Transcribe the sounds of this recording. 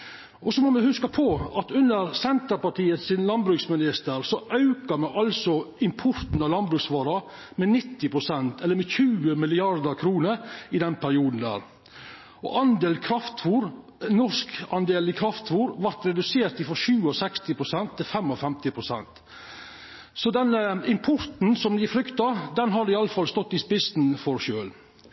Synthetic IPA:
ʔɔsɔmɔmɛhʉskɑpʰɔɑt̪ʉnːəɾsɛnt̪əɾpɑʈʰiːət̪sɪnlɑnbɾʉksmɪnɪst̪əɾsɔʔɑʉkɑmɛʔɑlsɔɪmpʰɔɾt̪n̩ɑlɑnbɾʉksʋɑːɾɑ | mɛnɪt̪ːɪpʰɾʊsɛnt̪ɛlːəɾmɛçʉːəmɪlɪɑɾd̪əɾkʰɾuːnəɾɪd̪ɛnpʰæɾɪuːd̪n̩d̪æ̰ːɾ | ɔ̰ʔɑnd̪eːlkʰɾɑft̪fuːɾ | nɔskɑnd̪eːlɪkʰɾɑft̪fuːɾʋɑɾt̪ɾɛd̪ʉseːɾt̪ɪfɾɔʃʉːɔsɛkst̪ɪpʰɾʊsɛnt̪ʰːɪlfɛmɔfɛmt̪ɪpʰɾʊsɛ̰nt̪ | sɔd̪ɛnəɪmpʰɔɾt̪n̩sɔmd̪ɪfɾʏkt̪ɑd̪ɛnɦɑɾɪɑlːəfɑlst̪ɔt̪ːɪspɪst̪nfɔɾʃøːl

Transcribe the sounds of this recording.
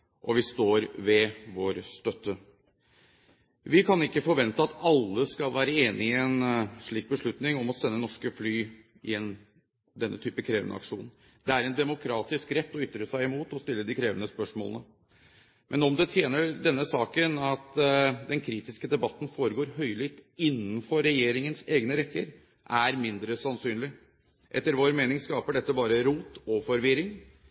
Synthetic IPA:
ʔɔʋɪst̪oːɾʋɛʋoːɾst̪œt̪ːə | ʋɪkʰɑnɪkːəfɔɾʋɛnt̪əɑt̪ɑlːəskɑlʋæːɾəeːnɪɛnʂɭiːk̚bəʂɭʉt̪nɪŋɔmɔsɛnːənɔʂkəflyː | ɪɛn | d̪ɛnːət̪ʰyːpəkʰɾeːʋənə̰ɑ̰kʂṵːnn̩ | d̪ɛæɾɛnd̪ɛmʊkʰɾɑːt̪ɪskɾɛt̪ːɔʏt̪ːɾəsæɪɪmuːt̪ɔst̪ɪlːəd̪ɪkʰɾeːʋənəspœʂmo̰ːlənə | mʔɛnɔmd̪ɛt̪ʰjeːnəɖɛnːəsɑːkənɑt̪d̪ɛnkʰɾiːt̪ɪskəd̪ɛbɑt̪ːn̩foːɾəɡoːɾɦœʏlɪt̪ɪnːnfɔɾːɛjeːɾɪŋənseːɡnəɾɛkːəɾ | ʔæɾmɪnd̪ɾəsɑnsyːnlɪ | ʔɛ̰t̪ːəɾʋoːɾmeːnɪŋskɑːpəɖɛt̪ːəbɑːɾəɾuːt̪ɔfɔɾʋɪɾɪŋ

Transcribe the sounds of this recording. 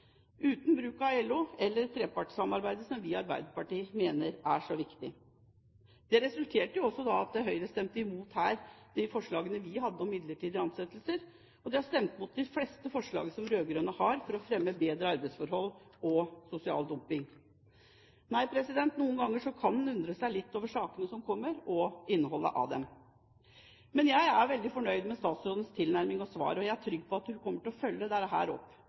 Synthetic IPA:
ʉːt̪nbɾʉːkɑɛlːʊɛlːəɾt̪ʰɾeːpɑʈsɑmɑɾbæɪd̪əsɔmʋɪːɑɾbæ̰ɪd̪əpɑʈiːmeːnəɾæʂɔʋɪkt̪ɪ | d̪̥ɛɾɛsʉlt̪ʰeːʈəjʊɔsːɔd̪ɑɑt̪̚d̪ɛæɦœʏɾəst̪ɛmt̪ɪmuːt̪hæːɾd̪̥ɪfɔʂɭɑːɡənəʋɪhɑd̪ːəɔmɪd̪ləʈiːd̪əɑnsɛt̪ːlsəɾ | ɔd̪ɛhɑʂt̪ɛmt̪mʊt̪̚d̪ɪflɛst̪əfɔʂɭɑ̰ːɡəsɔmɾøːɡɾøːnəhɑɾfɔɾɔfɾɛmːəbeːd̪ɾəɑɾbæɪsfɔɾhɔlːɔsʊsɪɑ̰ːld̪ʊmpɪŋ | næɪpʰɾɛsɪd̪ɛnt̪nuːənɡɑŋːəʂɔkʰɑnnʉnd̪ɾəsæɪlɪt̪ːoːʋəʂɑːkənəsɔmkʰɔmːəɾɔɪnːəɦɔlːə̰ʔɑ̰ʋd̪ɛ̰m | mɛnjæɪæɾʋɛld̪ɪfɔɳœʏd̪mɛst̪ɑːt̪sɾoːd̪ənst̪ʰɪlnæɾmɪŋɔsʋɑ̰ːɾəɔjæɪæʈʰɾʏɡpʰɔɑt̪hʉkʰɔmːəʈɪɔfœlːəd̪ɛɾɦæ̰ːɾɔ̰pː

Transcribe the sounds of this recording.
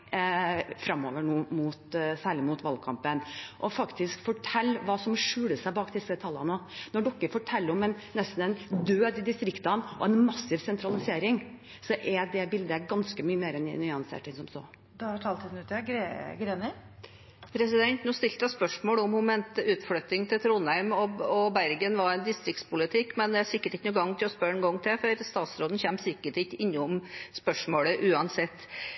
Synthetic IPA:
fɾɑmːo̰ːʋəɳuːmut̪sæːɭɪmut̪ʋɑlkʰɑmpənʔɔfɑkt̪ɪskfɔʈʰɛlːʋɑːsɔmʂʉːləsæɪbɑːkd̪ɪsət̪ʰɑlːɑ̰nənɔɖɔkːəɾfɔʈʰɛlːɔmɛnːɛst̪n̩ɛɪnd̪øːd̪ɪd̪ɪst̪ɾɪkt̪ɑnʔɔ̰ɛnmɑsːɪʋsɛnt̪ɾɑlɪseːɾɪŋ | sɔʔɛd̪ɛbɪld̪əɡɑnskəmyːəmeːɾɛnɪ̰nʏɑnsḛːʈɪŋsɔmso̰ː | d̪ɑhæʈʰɑːlt̪ɪd̪n̩ʉːt̪ːɛɡɾeɡɾeːnɪ | pʰɾɛsɪd̪ɛnt̪nuːst̪ɪlt̪əɑspœʂmoːɭʊmhʊmɛntʉːt̪fɽœt̪ɪŋt̪ʰɪlt̪ʰɾuːnæɪmɔɔbæɾɡənʋɑɾɛnd̪ɪst̪ɾɪkt̪spʊlɪt̪ʰɪkːmɛnd̪ɛæsɪkːəʈɪkːənuːɡɑŋːt̪ʰɪlɔspœɾɛnɡɔŋːt̪ʰɪlfɔɾst̪ɑːt̪sɾoːd̪n̩çɛmsɪkːəʈɪtɪnːəʊmspœʂmoːɽəʔʉːɑnsɛt̪ː

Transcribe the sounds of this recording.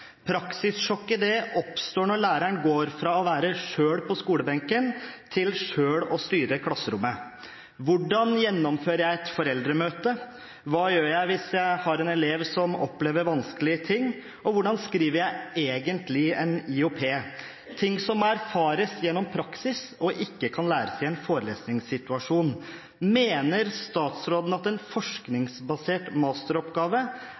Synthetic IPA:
pʰɾɑksɪsʂɔkɪd̪eːʔɔpst̪oːɳɔɭæːɾæɳɡoːɾfɾɑːɔʋæːɾəʂøːɽpʰɔskuːləbɛŋkənt̪ʰɪlʂøːɽɔst̪yːɾəkʰlɑsːəɾʊmːə | ʋʊɖɑnjɛnːɔmføːɾjæɪɛt̪fɔɾɛld̪ɾəmøːt̪ə | ʋɑːjøːɾjæɪʋɪsjæɪhɑɾɛnɛleːʋsɔmɔ̰pleːʋəɾʋɑnsklɪət̪ʰɪŋː | ɔʋʊɖɑnskɾiːʋəɾjæɪeːɡənt̪lɪɛnɪʊpʰeː | t̪ʰɪŋːsɔmæɾfɑːɾəsjɛnːɔmpʰɾɑksɪsɔʔɪkːəkʰɑnlæːɾəsæɪɛnfoːɾəlḛːsnɪŋsɪt̪ʉɑʂuːn | meːnəɾst̪ɑːt̪sɾoːd̪ən̩ɑt̪ɛnfɔʂknɪŋsbɑseːʈmɑːst̪əɾɔpɡɑːʋə

